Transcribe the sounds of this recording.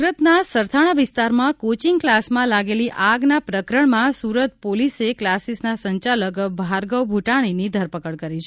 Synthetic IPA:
uɾət̪nasəɾt̪ʰaɽ̃aʋɪst̪aɾmãkot͡ʃiŋɡklasmãlaɡeliʔaɡnapɾəkɾəɳmãsuɾət̪̚poliseklasisnasəɲt͡ʃaləkbʱaɾɡəwbʱuʈaɽ̃inid̪ʱəɾpəkəɽkəɾit͡ʃʰe

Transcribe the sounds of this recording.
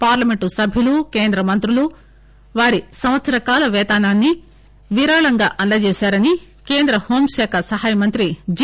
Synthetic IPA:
paːɾlɐmeɳʈusɐbʱjilukeːnd̪ɾɐmɐnt̪ɾulu | ʋaːɾisɐmʋɐt̪sɐɾɐkaːlɐʋɛːt̪aːnaːnːi | ʋiɾaːɭɐŋɡaːʔɐnlɐd͡ʒeːʃaːɾɐni | ke̞ːnd̪ɾɐho̞ːmʃɛːkʰɐsɐɦaːjɐmɐnt̪ɾid͡ʒ

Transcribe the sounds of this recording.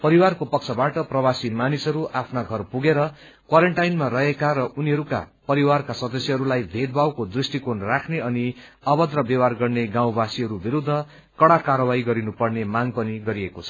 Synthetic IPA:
pʌɾiwarkopʌk̚t͡sʰʌbaʈʌprʌbasimanisʌɾuʔapʰnaɡʱʌrpuɡeɾʌ | kwaɾeɳʈajnmarʌɦekaɾʌʔuniɦʌɾuka̰pʌɾiwarkasʌd̪ʌsjʌʌɾulajbʱed̪̚bawkod̪risʈikonrakʰneʌniʌbʌd̪rʌbjʌwarɡʌrneɡaw̃basiɦʌɾubiɾud̪ʱːʌ | kʌɽakaɾʌwajɡʌɾinupʌrnemaŋpʌniɡʌɾiekot͡sʰʌ̥

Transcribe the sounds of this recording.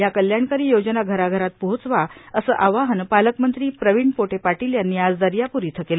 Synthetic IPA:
jakəljaɳkaɾiːjod͡ʑnaɡʱəɾaɡʱəɾat̪̚poɦot͡sʋaəsəʔaʋaɦənpaləkmənt̪ɾiːpɾəʋiɳpoʈepaʈiljanijad͡zd̪aɾjapuɾiːt̪ʰəkelə

